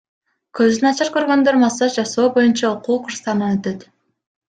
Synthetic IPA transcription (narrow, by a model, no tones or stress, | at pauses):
kʰøzd̪ynɑt͡ʃɑɾkø̞ɾɡø̞nd̪øɾmɑsɑt̪d͡ʒɑso̞ːbo̞junt͡ʃɑoquːqɯɾst̪ɑɾnɯnøt̪ø̞t̪